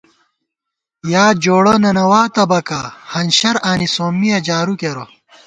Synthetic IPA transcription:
jaːd͡ʑoːɽɐnɐnɐwaːt̪ɐbɐkahɐnɕɐɾaːnisoːmːijɐd͡ʑaːɾukeɾo

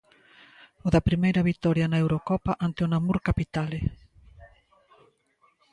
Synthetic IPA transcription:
ʊðapɾimejɾɐβit̪ɔɾjɐnaewɾokɔpaʔant̪ɪʊnamuɾkapit̪ale

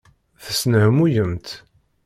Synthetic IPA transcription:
θəsnəhəmujəmt̪

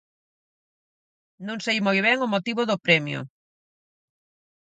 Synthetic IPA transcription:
nõŋsejmojβ̞ɛŋʊmot̪iβʊðʊpɾɛmjʊ̰

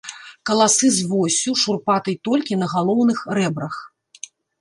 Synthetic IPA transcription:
kɐlˠasɨzvɔsʲuʂurpat̪ɨjt̪ɔlʲkʲinɐɣalˠɔwnɨxɾɛbɾɐx

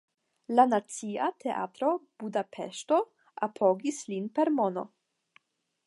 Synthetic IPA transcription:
lanat͡siatʰe̞ʔa̰tɾo̞b̥udapʰḛʃto̞ | ʔapʰoɡislinpe̞ɾmo̞no̰

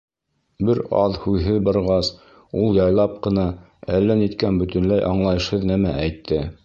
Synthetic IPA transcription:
bɘɾɑ̰ðhʉðɦɘðbɑɾʁɑs | ulˠjɑjlˠɑp̚qɤ̆nɑ | ælːænit̪kænbɵ̆t̪ɵ̆nlæjʔɑɴlˠɑjɤ̆ʃhɤðnæmæʔæjt̪ʰːɘ

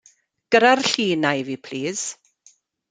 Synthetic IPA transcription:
ɡ̥əɾarɬiːnajviːpʰliːz̥

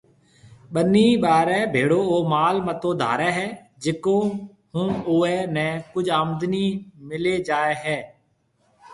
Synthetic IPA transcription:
ɓənːiːɓaːɾɛːbʱeːɽoːoːmaːlmət̪oːd̪ʱa̰ːɾɛːɦɛː | d͡ʒɪkoː | hʊ̃ːoːɛːnɛ̃ːkʊd͡ʒʱaːmd̪niːmɪleːd͡ʒaːeːɦɛː

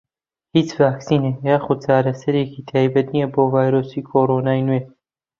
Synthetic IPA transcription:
hiːt͡svaːksiːnejaːxud̪̚t͡ʃʰaːɾɐsɐɾeːkʰiːt̪ʰaːjbɐt̪nijɛboːvaːjɾoːsiːkʰoːɾoːnaːjnue

